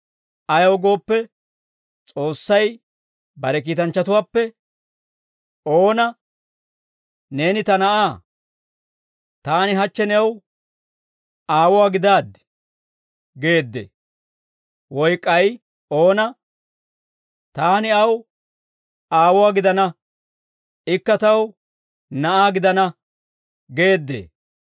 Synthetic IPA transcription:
ʔɐjɐwɡo̞ːpːɛ | t͡sʼo̞ːsːɐj | bɐɾɛk̬iːt̪ɐnt͡ʃːɐt̪ʊwaːpːɛ | oːnɐ | ne̞ːnɪt̪ɐnɐaː | t̪aːnɪɦɐt͡ʃːɛnɛw | aːwʊwaːɡɪd̪aːd̪ɛ̥ | ɡe̞ːd̪ːḛ | wɔjkʼːɐj | o̞ːnɐ | t̪aːnɪɐw | aːwʊwaːɡɪd̪ɐnɐ | ɪkːɐt̪ɐw | nɐʔaːɡɪd̪ɐnɐ | ɡe̞ːd̪ːḛː

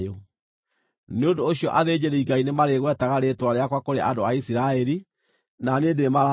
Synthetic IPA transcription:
jo | neondoːɕijɔʔaðed͡ʑeɾeiŋɡainemaɾeɣwɛtaɣaɾetwaɾeakwakoɾeʔa̰ndoaisiɾaɛɾi | nanedemaɾa

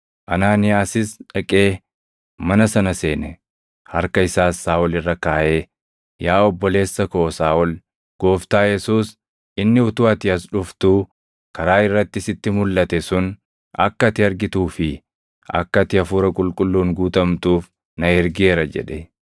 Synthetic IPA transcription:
ʔɐnaːnɪjaːsɪsᶑɐkʼe̞ː | mɐnɐsɐnɐse̞ːnɛ | hɐɾkɐɪsaːsːaːɔlɪrːɐkaːʔeː | jaːɔbːɔle̞ːsːɐkɔʔɔsaːʔɔl | ɡ̥o̞ːft̪aːjɛsuːs | ɪnːɪʊt̪ʊɐt̪ɪɐs̬ᶑʊft̪u | kɐɾaːɪrːɐt̪ːɪsɪt̪ːɪmʊlːɐt̪ɛsʊn | ɐ̰kːɐt̪ɪɐɾɡɪt̪uːfɪ | ɐ̰kːɐt̪ɪɐfuːɾɐkʼʊlkʼʊlːuːŋɡuːt̪ɐmt̪uːf | nɐɛɾɡɪeːɾɐd͡ʒɛ̰ᶑɛ

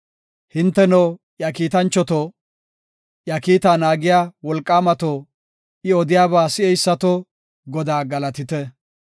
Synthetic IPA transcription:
hɪnt̪ːɛnɐw | jɐkiːt̪ɐnt͡ʃːɔt̪ɔ | ʔjɐkiːt̪aːnaːɡɪjaːwɔlkʼːaːmɐt̪o | ʔɪɔd̪ɪjaːβaːsɪɛjsːɐt̪ɔ | ɡɔd̪aːɡɐlɐt̪ɪt̪ɛ

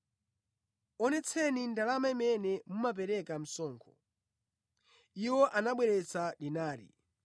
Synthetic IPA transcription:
ɔnɛt͡sʰɛnindalamaimɛnɛmumap̬ɛɾɛkam̩sɔːŋkʰɔ | iwɔʔanaɓwɛɾɛt͡sʰaɗinaːɾḭ

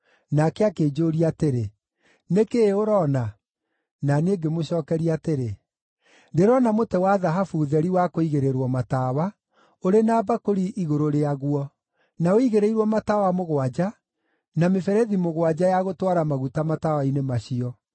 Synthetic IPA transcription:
nakɛakeːd͡ʒoːɾiateɾe | nekeoɾɔna | naneːɡemoɕɔːkɛɾiateɾe | deɾɔnamotɛwaðaɦafuðɛɾiwakoiɣeɾeɾwɔmatawa | oɾenaːbakoɾiʔiɣoɾoɾeaɣwɔ | naoiɣeɾeiɾwɔmatawamoɣwad͡ʒa | namefɛɾɛðimoɣwad͡ʑajaɣotwaɾamaɣutamatawainemaɕiɔ

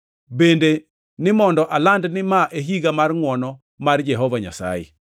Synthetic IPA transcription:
bende | nɪmɔndɔʔalandnɪmaʔeɦiɡamarŋwɔnɔ | mard͡ʒɛɦɔvaɲa̰sa̰jɛ̰

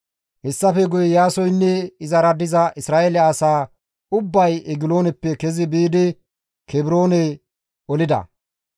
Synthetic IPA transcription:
hɛsːɐfɛɡʊjɛjaːsɔjnːɛɪzɐɾɐd̪ɪzɐʔɪsɾaːʔelɛɐsaː | ʊbːɐjɛɡɪlo̞ːnɛpːɛkɛzɪbiːd̪ɪ | kɛbɪɾo̞ːnɛ | ɔlɪd̪ɐ̰

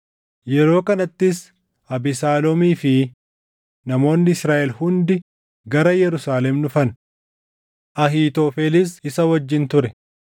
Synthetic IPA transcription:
jɛɾo̞ːkɐnɐt̪ːɪs | ɐbɪsaːlɔmiːfɪ | nɐmo̞ːnːɪɪsɾaːʔɛlhʊnd̪ɪ | ɡɐɾɐjɛɾʊsaːlɛmnʊfɐn | ʔɐɦiːt̪oːfeːlɪs̬ɪsɐwɐd͡ʒːɪnt̪ʊɾɛ

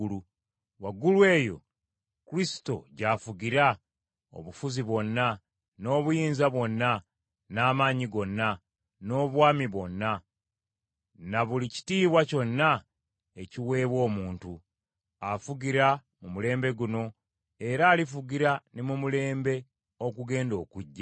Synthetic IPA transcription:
u | waɡulwe̞ːjo̞̰ | kuɾisi̥to̞̰ɟafuɡiɾa | o̰βufuziβo̞nːa | no̞ːβujiːnzaβwo̞nːa | naːmaːɲiɡo̞nːa | no̞ːβwaːmiβwo̞nːa | naβulici̥tiːβwaco̞nːa | eciwe̞ːβwo̞ːmuːntu | afuɡiɾa | mumule̞ːmbe̞ɡuno̞ | e̞ɾaːlifuɡiɾanimumule̞ːmbe̞ | okuɡe̞ːndo̞ːkuɟːa

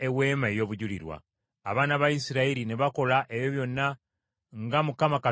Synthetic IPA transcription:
ewe̞ːmaejo̞ːβuɟulḭɾwa̰ː | βaːnaβajisiɾaiɾine̞βako̞laʔeβjo̞βjo̞nːa | ŋɡamukamaka

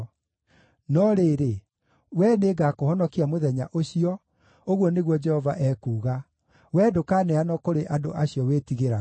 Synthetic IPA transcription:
nɔɾeːɾe | wɛneɡakohɔnɔkiamoðɛɲaʔoɕiɔ | oɣwɔneɣwɔd͡ʒɛhɔvaʔɛkuːɣa | wɛdokanɛanɔkoɾeʔadoʔaɕiɔwetiɣeɾa

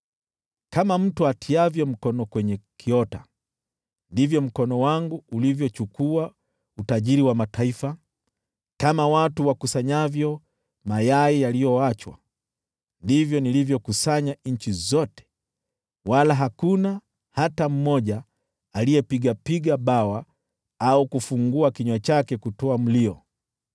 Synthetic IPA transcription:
kamam̩tuatʰiavjɔm̩kɔnɔkwɛɲɛkʰiɔta | ndivjɔm̩kɔnɔwaŋɡuːlivjɔt͡ʃukua | utaʄiɾiwamatʰaifa | kamawatuwakusaɲavjɔ | majaijalijɔat͡ʃwa̰ | ndivjɔnilivjɔkusaɲaɲ̩t͡ʃizɔtɛ̥ | walaɦakuna | hatam̩mɔʄaː | liɛpiɠapiɠaɓawa | aukufuŋɡuakiɲwat͡ʃakɛkutɔam̩liɔ

